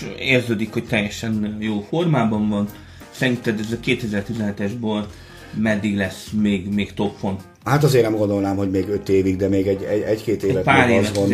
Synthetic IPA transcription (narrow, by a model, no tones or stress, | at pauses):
eːrzøːd̪ikhoc̚t̪ɛjːɛʃɛnjoːfo̞rmaːbɒɱvɒn | sɛɾint̪ːɛd̪ɛzɛkeːt̪ɛzɛrt̪izɛnɦɛt̪ɛʒbøl | mɛd̪ːiɡlɛsmeːɡmeːkt̪o̞pfon | hat̪ɒzeːrnɛmɡo̞nd̪o̞lnaːmho̞ɟmeːɡøt̪eːviɡ̚d̪ɛmeːɡɛɟːɛɛckeːt̪eːvɛpaːɾ